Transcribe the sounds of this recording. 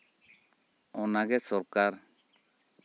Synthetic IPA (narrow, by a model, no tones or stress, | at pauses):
ɔnaɡɛsɔɾkaɾ